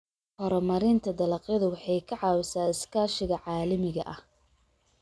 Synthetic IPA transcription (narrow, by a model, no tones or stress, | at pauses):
hɔɾɔmɐɾɪnt̪ʰɐd̪ɐlɐqjɐðʊwɑħɑjkʰɐʕɑːwɪsaːɪskʰaːʃɪɣɐʕɑːlɐmɪɣɐ̰ʔɐh